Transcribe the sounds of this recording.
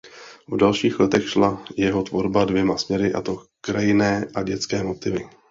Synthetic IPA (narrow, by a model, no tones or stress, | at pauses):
vdalʃiːxlɛt̪ɛxʃlajɛɦo̞t̪vo̞ɾbadvjɛmasmɲɛɾɪʔa̰t̪o̞kɾajɪnɛːʔaɟɛt͡skɛːmo̞t̪ɪvɪ